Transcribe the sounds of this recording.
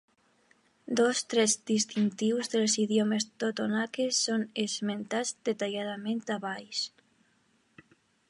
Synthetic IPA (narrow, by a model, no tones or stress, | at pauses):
d̪ost̪ɾɛzd̪ist̪int̪iwzðelsiðjomest̪ot̪onakesːonezment̪azd̪et̪aʎaðamẽnt̪aβajs